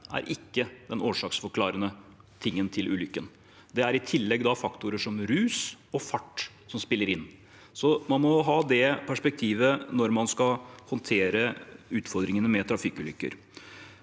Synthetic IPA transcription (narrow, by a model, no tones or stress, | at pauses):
æ̰ɾʔɪkːəd̪ɛnoːʂɑːksfɔɾkʰlɑːɾənə | t̪ʰɪŋːənt̪ʰɪlʔʉ̰ːlʏkːən | d̪ɛæɾɪt̪ʰɪlːɛɡd̪ɑfɑkt̪ʊɾəʂɔmɾʉːsɔfɑʈː | sɔmspɪlːəɾɪnː | sɔmɑnmɔɦɑːd̪ɛpʰæʂpɛk̚t̪ʰiːʋənɔɾmɑnskɑhɔnt̪ʰeːɾəʉːt̪fɔɾd̪ɾɪŋənəmɛt̪ʰɾɑfikʉːlʏkːə̰ɾ